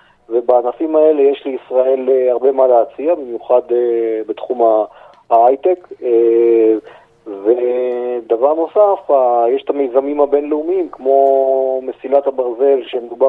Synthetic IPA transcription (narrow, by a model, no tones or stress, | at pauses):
ve̞baːnafimae̞le̞jeʃliisʁae̞leaʁbe̞maleat͡siabemjuχad̪ebet̪χuma | ajt̪ek | ved̪avaʁno̞safajeʃet̪amejzamimabe̞nleumimkmo̞mesilat̪habaʁze̞lʃemed̪uba